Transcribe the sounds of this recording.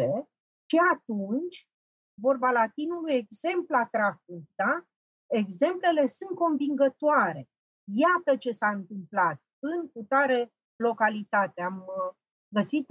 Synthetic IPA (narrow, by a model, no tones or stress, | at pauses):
e | ʃiat̪unt͡ʃʲ | vo̞rbalat̪inuluje̞ɡze̞mplat̪ɾafukd̪a | e̞ɡze̞mple̞le̞sunt̪̚ko̞mviŋɡət̪oaɾe̞ | jat̪ət͡ʃe̞saɨnt̪ɨmplat̪̚ɨnkut̪aɾe | lo̞kalit̪at̪eam | ɡəsit̪